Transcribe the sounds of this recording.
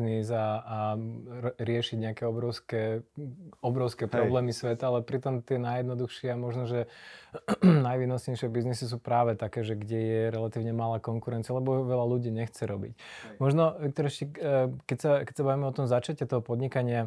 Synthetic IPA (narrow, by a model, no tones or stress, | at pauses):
nizaː | ɾɪɛʃiɟɲɛakɛɔbɾɔʊskɛ | ɔbɾɔʊskɛpɾɔblɛːmisʋɛt̪aalɛpɾit̪ɔmt̪ɪɛnajɛd̪nɔd̪uxʃɪɛamɔʒnɔʒɛ | najʋiːnɔsɲɛjʃɪɛbiznisis̬uːpɾaːʋɛt̪akɛːʒɛɡɟɛjɛɾɛlat̪iːʊɲɛmalaːkɔŋkuɾɛnt͡sialɛbɔʋɛlaluɟiːɲɛxt͡sɛɾɔbḭcmɔʒnɔʋik̚t̪ɔɾɛʃikɛcsakɛcsabaʋimɛɔt̪ɔmzat͡ʃacɛt̪ɔɦɔpɔd̪ɲikaɲɪa